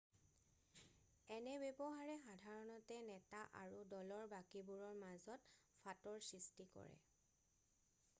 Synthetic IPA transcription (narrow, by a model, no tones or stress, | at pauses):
ɛnɛbebɔɦaɹɛxadʱaɹɔnɔtɛnɛtaʔa̰ɹudɔlɔɹbakibuɹɔɹmazɔtfʰatɔɹsɹistikɔ̰ɹɛ̰